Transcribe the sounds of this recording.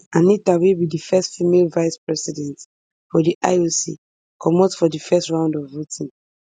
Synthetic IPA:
ãnitawibidifɛstfimelvaɪspɹɛsidɛ̃nt | fɔdiʔa̰osḭ | kʰɔmɔtfɔdifɛstɹãʊ̃ndɔvːotʰĩn

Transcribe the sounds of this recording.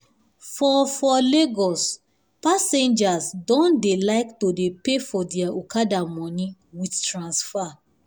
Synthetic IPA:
fɔfɔleɡɔs | pasẽnd͡ʒasdɔ̃ndelaɪktodepefɔdɛaukadamɔ̃nĩ | widtɹãnsfa

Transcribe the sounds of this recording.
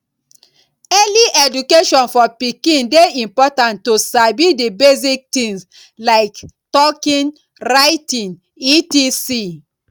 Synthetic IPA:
ɛliʔɛdukeʃɔ̃nfɔpikĩndeĩmpɔtãntːosabidibezik̚tĩŋs | laɪktɔkĩn | ɹaɪtĩn | itisi

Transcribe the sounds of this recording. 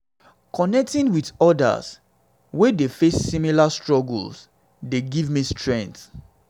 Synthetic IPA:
kɔnɛk̚tĩnwidɔda̰s | wedefesːimilastɹɔɡ̰ls | deɡivmistʰɹɛ̃nt

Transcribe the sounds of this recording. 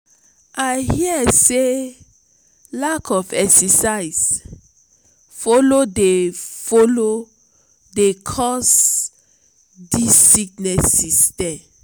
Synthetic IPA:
ʔahiəse | lakʰɔfɛksɛsaɪs | fɔlodefolo | dekʰɔs | disːik̚nɛsistɛ̃m

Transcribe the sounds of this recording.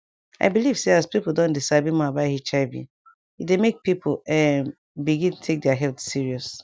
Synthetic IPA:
a̰ɪbiliv̥seaspipl̩ˠdɔ̃ndisabĩmabaɪhit͡ʃaɪbḭ̃ | idemek̚pipʰoɛ | biɡĩntʰek̚dɛaɦɛltsiɹiɔs

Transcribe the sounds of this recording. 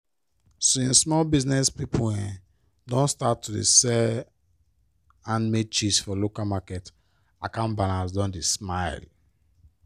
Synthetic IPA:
sĩnsmɔlbiznɛspipuɛ̃ | dɔ̃nstatːudḛsɛ | ãnmek̚t͡ʃisfɔlokalmakɛt | akãnbalãnsdɔ̃ndismaɪl

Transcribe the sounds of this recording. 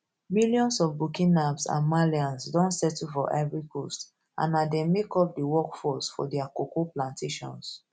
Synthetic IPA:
miljɔ̃nsɔvbukĩnabsã̰nmaliãnsdɔ̃ntsɛtufɔʔɛvɹikost | ʔã̰nadɛ̃mekɔp̚dəwɔkfɔsfɔ̰dɛakokoplãntʰeʃɔ̰̃ns

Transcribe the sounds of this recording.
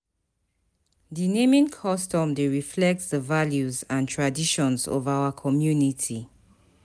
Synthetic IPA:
dinẽmĩnkʰɔstɔ̃mdeɹiflɛk̚tsdəvaljuzãntʰɹadiʃɔ̃nzɔ̰vawəkʰɔmjunitʰi

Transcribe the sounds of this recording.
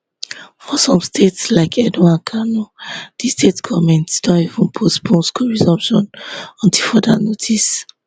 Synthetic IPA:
fɔsɔ̃mstʰetslaɪkʰɛduãnkʰanod̥istetɡɔvmɛ̃ntsd̥ɔ̃nivũnpʰospʰõnskʰuɹizɔ̃mpʃɔ̰̃nɔ̃ntʰifɔdanotʰis

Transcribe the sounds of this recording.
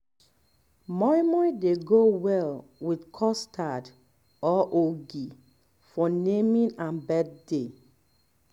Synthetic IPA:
mɔimɔideɡowɛlwidkʰɔstʰad | ɔʔoɡi | fɔnemĩnãnbɛd̚de

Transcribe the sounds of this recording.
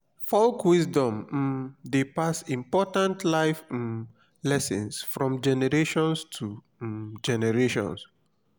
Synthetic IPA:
fɔlkwisdɔ̃m̩depasĩmpɔtãntʰlaɪf | lɛsḭ̃nsfɹɔ̃md͡ʒɛnɛɹeʃɔ̃nstʰu | d͡ʒɛnɛɹeʃɔ̰̃ns

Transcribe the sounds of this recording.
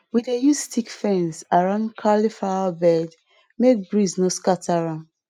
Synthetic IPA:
widejusstʰikfɛ̃nsaɹãʊ̃ndkʰalifaabɛd | mek̚bɹiznoskatʰaɹãn

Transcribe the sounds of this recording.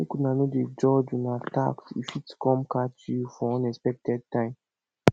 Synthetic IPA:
ekunanoded͡ʒɔd͡ʒũnata̰ksḭfitskɔ̃mkatifɔɔ̃nɛspɛk̚tɛd̚tãɪ̃m

